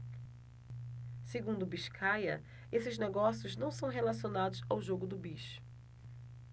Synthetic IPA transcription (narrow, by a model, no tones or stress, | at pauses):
seɡũnd̪ʊbiʃkʰajɐ̰ | esɪzneɡɔsijʊznɐ̃w̃sɐ̃w̃ɦelasionad̪ʊzawʒoɡʊd̪ʊbiʃʊ̥